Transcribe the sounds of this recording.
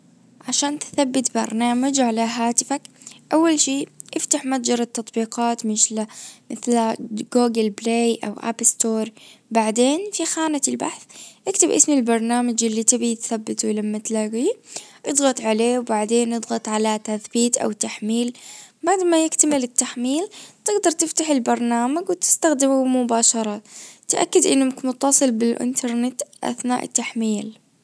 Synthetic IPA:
ʕaʃaːnt̪θabːɪt̪bɑ̰ɾˤnaːmad͡ʒʕalaɦaːt̪ɪfak | ʔawːalʃiːʔɪft̪aħmat̪d͡ʒɑɾˤɑt̪ːɑt̪ˤbiːqɑːt̪mɪʃlamɪθlaɡoːɡalbleːjʔa̰wʔa̰pst̪oːɾˤbaʕd̪eːnfixaːnaɪlba̰ħθʔɪkt̪ɪbʔɪ̰smilbɑɾˤnaːmad͡ʒʔɪlːit̪ɪbit̪θabːɪt̪ulamːat̪laɡiːʔɨd̪ˤɣɑt̪ˤʕaleːwbaʕd̪eːnʔɨd̪ˤɣɑt̪ˤʕalat̪aθbiːt̪ʔa̰wt̪ːaħmiːlbaʕd̪majɪkt̪amɪlɪt̪ːaħmiːlt̪ɪɡd̪ɑɾˤt̪ɪft̪aħɪlbɑɾˤnaːmaɡwɪt̪ɪ̥st̪axd̪ɪmumʊbaːʃɑɾˤɑt̪ʔa̰kːad̪ʔɪnːmkmʊt̪ːɑsˤɨlbɪlʔɪ̰nt̪ʰɑɾˤnɪt̪ʔa̰θna̰ːʔɪ̰t̪ːaħmiːl

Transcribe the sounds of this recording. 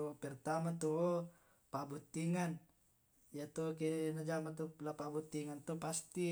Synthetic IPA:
upɛrt̪amat̪u | pabut̪ːiŋan | jat̪uk̬inad͡ʒamat̪ulapabut̪ːiŋant̪upast̪i

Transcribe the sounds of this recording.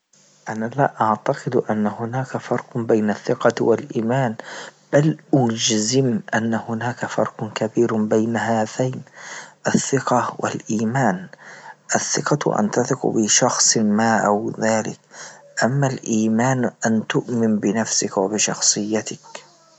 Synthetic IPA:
ʔanalaʔaʕt̪aqɨd̪ʔanːahʊnaːkafɑɾˤqʊbajnaθːɪqɑwalʔiːmaːnb̥alʔʊd͡ʒzɪmʔanːahʊnaːkafɑ̰ɾˤqʊkabiːɾbajnahaːt̪aːnʔaθːɪqɑwʔɪ̰lʔiːmaːnʔaθːɪqɑʔa̰nt̪aθˤɪqbɪʃɑxsˤmaːʔawðaːlɪ̰k̚ʔamːalʔiːmaːnʔant̪ʊʔmɪnbɪnafsɪkwabɪʃɑxsˤɨjːat̪ɪk

